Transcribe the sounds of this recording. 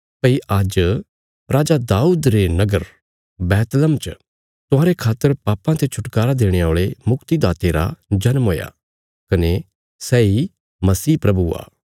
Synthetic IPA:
pəiʔad͡ʒ | ɾaːd͡ʒad̪aːuːd̪ɾenɐɡəɾ | bɛːt̪ləmt͡ʃə | t̪ʊɦaːɾekʰaːt̪ːəɾpaːpãt̪ʰet͡ʃʰʊʈkaːɾad̪eːɽ̃eoːɭemʊkt̪id̪aːt̪eːɾa̰d͡ʒɐnmɦoːja̰ | kɐne | sɛːi | mɐsiːpɾɐbua̰ː

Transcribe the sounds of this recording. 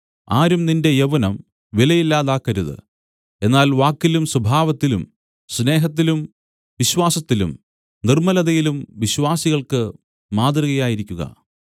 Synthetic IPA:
aːɾumninde̞jeʋɐnɐm | ʋilɐjilːaːðaːkːɐɾuðɨ̰ | e̞nːaːlʋaːkːilumsubʱaːʋɐt̪ːilum | sne̞ːɦɐt̪ːilum | ʋiɕwaːsɐt̪ːilṵm | nirmɐlɐðɐjilumʋiɕʋaːsiɣɐɭkɨ | maːd̪rɨɣɐjaːjiɾikʲːuɣɐ̰

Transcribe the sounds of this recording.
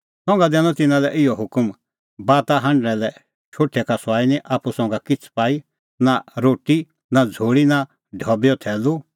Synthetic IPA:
sɔ̃ːŋ̆ɡad̪ɛːñɔ̃t̪ɪnãlɛʔɪjɔɦʊkm | baːt̪aɦɐ̃ɳɖɾɛ̃lɛ | t͡ʃʰoːʈʰːɛkasaːinĩʔaːpusɔ̃ːŋ̆ɡakɪt͡sʰpaːi | naɾoːʈi | nad͡zʱoːɽina | ɖʱɔbjɔt̪ʰɛːlu

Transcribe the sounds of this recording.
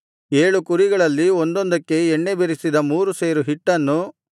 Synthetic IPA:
eːɭukuɾiɡɐɭɐlːiond̪ond̪ɐkːe̞ːɳːebeɾisid̪ɐmuːɾuse̞ːɾuɦiʈːɐnːu

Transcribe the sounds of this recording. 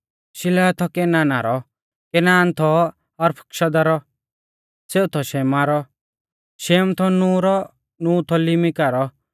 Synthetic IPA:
ʃɪlɛːt̪ʰɔkɛnaːnaɾɔ | kɛnaːnt̪ʰɔ | ɔɾpʰɐ̥kʃɐd̪aɾɔ | seːut̪ʰɔʃɛːmaɾɔ | ʃɛːmt̪ʰɔnũːɾɔ | nuːt̪ʰɔlɪmɪkaɾɔ

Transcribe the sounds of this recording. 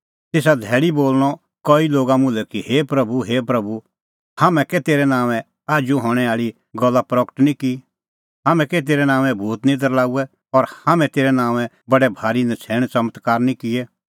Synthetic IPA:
t̪eːsad̪ʱɛːɽiboːlɽ̃ɔ | kɔːiloːɡamʊ̃lɛkiheːpɾɐbuɦeːpɾɐbu | haːmɛ̃kɛt̪eːɾɛnãːʋɛ̃ | aːd͡ʒuɦɔ̃ːɽ̃ɛaːɭi | ɡɔlːapɾɔːkə̥ʈnĩki | ɦaːmɛ̃kɛt̪̬eːɾɛnãːʋɛ̃bʱuːt̪nɪ̃d̪əɾlaːuɛ | ɔɾhaːmɛ̃t̪eːɾɛnãːʋɛ̃ | bɐɖɛbʱaːɾinɛt͡sʰɛːɽ̃t͡ʃɐmət̪kaːɾnĩkɪɛ

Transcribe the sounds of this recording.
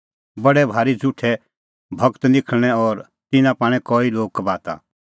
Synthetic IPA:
bɐɽɛbʱaːɾid͡zʱuʈʰɛ | bʱɐkt̪nɪkʰɽ̃ɛɔɾ | t̪ɪnãpaːɽ̃ɛ̃kɔːiloːɡ̚kbaːt̪a̰

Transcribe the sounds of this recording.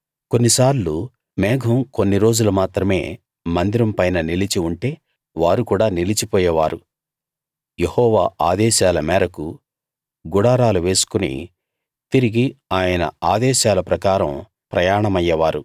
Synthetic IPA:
ko̞nːisaːɾlu | mɛːɡʱɐmko̞nːiɾo̞ːd͡ʒulɐmaːt̪ɾɐme̞ː | mɐnd̪iɾɐmpɐjnɐnilit͡ʃiuɳʈe̞ː | ʋaːɾukuːɽaːnilit͡ʃipɔːjɐʋaːɾu | jehɔːʋaːaːd̪ɛːʃaːlɐmɛːɾɐku | ɡuɽaːɾaːluʋe̞ːsu̥kunḭ | t̪iɾiɡiaːjɐnɐ̰aːd̪ɛːʃaːlɐpɾɐkaːɾɐ̰m | pɾɐjaːɳɐmɐjːɐʋaːɾu

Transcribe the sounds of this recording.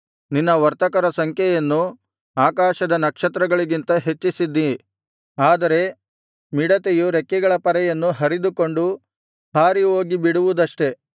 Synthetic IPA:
ninːɐʋɐɾt̪ɐkɐɾɐsɐŋkʰjɛjɐnːu | aːkaːʃɐd̪ɐnɐkʂɐt̪ɾɐɡɐɭiɡint̪ɐɦe̞t͡ʃːisid̪ːi | aːd̪ɐɾe̞ | miɽɐt̪ejuɾekːɛɡɐɭɐpɐɾɛjɐnːuɦɐɾid̪uko̞ɳɖu | bʱaːɾioːɡibiɽuʋud̪ɐʂʈe̞

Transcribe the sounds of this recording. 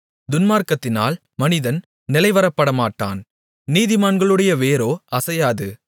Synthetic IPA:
d̪ʊnmaːɾkɐt̪ːɪna̰ːl | mɐnɪðɐn | nɪlɐɪʋɐɾɐpːɐɽɐmaːʈːa̰ːn | niːðɪmaːnɡɐɭɯɽɐjɐʋeːɾoːɐsɐjaːðɯ

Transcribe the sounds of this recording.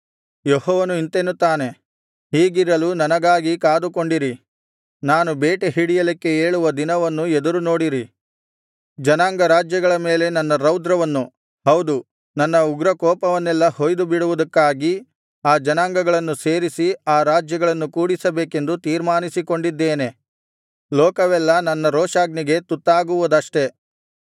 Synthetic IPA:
jehɔːʋɐnuint̪enːut̪ːaːne̞ | ɦiːɡiɾɐlunɐnɐɡaːɡikaːd̪ukoɳɖiɾi | naːnubeːʈeɦiɽijɐlikːe̞eːɭuʋɐd̪inɐʋɐnːuɛd̪ɐɾuno̞ːɽiɾi | d͡ʒɐnaːŋɡɐɾaːd͡ʒjɐɡɐɭɐme̞ːle̞nɐnːɐɾɐwd̪ɾɐʋɐnːu | hɐwd̪u | nɐnːɐuɡɾɐkɔːpɐʋɐnːɛlːɐhojd̪ubiɽuʋud̪ɐkːaːɡi | aːd͡ʒɐnaːŋɡɐɡɐɭɐnːuseːɾisiaːɾaːd͡ʒjɐɡɐɭɐnːukuːɽisɐbeːke̞nd̪ut̪iːɾmaːnisiko̞ɳɖid̪ːeːne̞ | lɔːkɐʋɛlːɐnɐnːɐɾɔːʂaːɡniɡe̞t̪ut̪ːaːɡuʋud̪ɐʂʈe̞

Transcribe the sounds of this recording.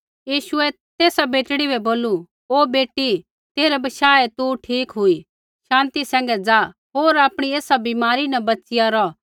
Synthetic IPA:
jiːʃʊɛ | t̪eːsabeːʈɽibɛboːlu | oːbeːʈːi | t̪eːɾɛbɐʃaːɛt̪uʈʰiːkɦʊi | ʃãːnt̪isɛ̃ːŋ̆ɡɛd͡zaː | ɦoːɾaːpɽ̃ieːsabimaːɾinɐbɐtːsɪjaɾɔ

